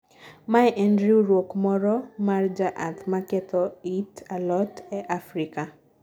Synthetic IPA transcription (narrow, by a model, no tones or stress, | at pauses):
maɛʔɛndɾioɾwokmɔɾɔmard͡ʒaʔat̪makɛt̪ɔitalɔtɛʔafɾika